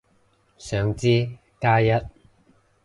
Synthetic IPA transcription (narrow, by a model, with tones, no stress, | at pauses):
sœː˨˧ŋt͡siː˥ | kaː˥jɐ˥t̚